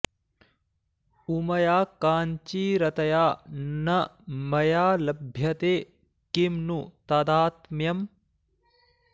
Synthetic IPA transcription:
umɐjaːkaːɲt͡ʃiːɾɐt̪ɐjaːnɐmɐjaːlɐbʱjɐt̪eː | kimnut̪ɐd̪aːt̪mjɐm

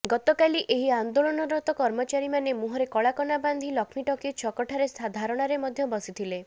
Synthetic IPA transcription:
ɡɔt̪ɔkaliʔeɦiand̪olɔnɔɾɔt̪ɔkɔɾmɔt͡ʃaɾimanemuɦɔɾekɔɭakɔnaband̪ʱilɔkʰmiʈɔkit͡ʃʰɔkɔʈʰaɾesad̪ʱaɾɔɽ̃aɾemɔd̪ʱjɔbɔsit̪ʰile

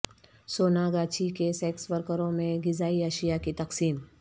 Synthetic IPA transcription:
soːnaɡaːt͡ʃʰikesɛːksʋəɾkəɾõmẽɡɪzaːiɐʃijakit̪ɐqsiːm

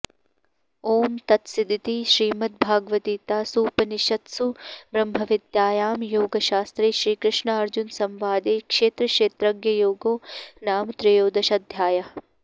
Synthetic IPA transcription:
oːmt̪ɐt̪sid̪ʱit̪iːʃɾiːmɐt̪̚bʱaːɡʋɐt̪iːt̪aːsuːpɐniʃɐt̪subɾɐmɦɐʋid̪jaːjaːmjoːɡɐʃaːst̪ɾeːʃɾiːkɾɪʃɳɐɐɾd͡ʒunsɐmʋaːd̪eːkʃeːt̪ɾɐʃeːt̪ɾɐɡjɐjoːɡoːnaːmt̪ɾɐjoːd̪ɐʃɐd̪ʱjaːjɐ

